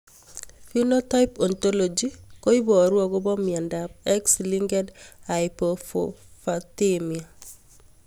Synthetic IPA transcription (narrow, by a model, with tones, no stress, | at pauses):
fi˦no˦ta˦jpɔ˨nto˦lo˨d͡ʒiko˦i˦bɔ˨ɾwɔ˨ɡo˦bɔ˦mia˨nda˨b̚ɛksliŋɡɛ˦dha˨jpofo̰fatemia˨